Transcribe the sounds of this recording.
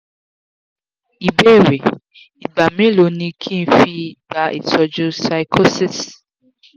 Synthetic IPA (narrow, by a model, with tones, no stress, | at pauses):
i˨be˦˨ɾe˨ | i˨ba˨mẽ˨˦lo˨˦nĩ˧kʰĩ˦n̩˦fi˧i˨ba˧ʔḛ˨sɔ˧d͡ʒũ˦sa˧ikʰo˦si˦s